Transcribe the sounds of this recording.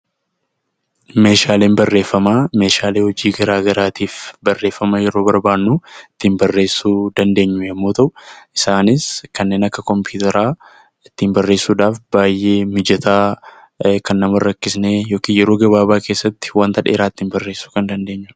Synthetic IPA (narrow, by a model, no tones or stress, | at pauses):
me̞ːʃaːleːmbɐrːe̞ːfːɐmaːme̞ːʃaːle̞ːhɔd͡ʒiːɡɐɾaːɡɐɾaːt̪iːfbɐrːe̞ːfːɐmɐjɛɾo̞ːbɐɾbaːnːuɪt̪ːɪmbɐrːe̞ːsːuːd̪ɐnd̪e̞ːɲːʊjɛmːoːt̪ɐʔʊʔɪsaːnɪskɐnːe̞ːnɐkːɐkɔmpuːt̪ɐɾaː | ɪt̪ːiːmbɐrːe̞ːsːuːᶑaːfbaːjʔe̞ːmɪd͡ʒɐt̪aː | kɐnːɐmɐrːɐkːɪsne̞ːjo̞ːkiːnjɛɾo̞ːɡɐβaːbaːke̞ːsːɐt̪ːɪ̥waːnt̪ɐᶑe̞̰ːɾaːɪt̪ːɪmbɐrːeːsːu̥ːkɐnd̪ɐnd̪e̞ːɲːʊ̥